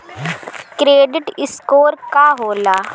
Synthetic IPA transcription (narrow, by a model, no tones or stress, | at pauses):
kɾeːɖɪʈɪskoːɾkaɦoːlaː